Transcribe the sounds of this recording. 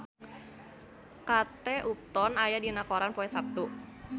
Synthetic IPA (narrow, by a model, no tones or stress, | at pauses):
kat̪ɛʔup̚t̪ɔnajadinakoɾanpɔɛsap̚t̪u